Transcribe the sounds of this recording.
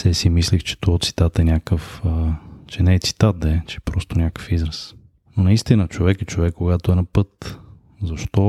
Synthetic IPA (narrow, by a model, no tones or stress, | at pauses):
sɛsimislixt͡ʃɛ̥t̪ot̪si̥t̪at̪ɛnʲjakəfət͡ʃɛnɛɛt̪si̥t̪at̪̚d̪ɛt͡ʃɛpɾɔst̪onʲakə̥fizɾəs | nonɐist̪inət͡ʃovɛkɛt͡ʃovɛkːoɡat̪oɛnɐpɤt̪ | zɐʃt̪ɔ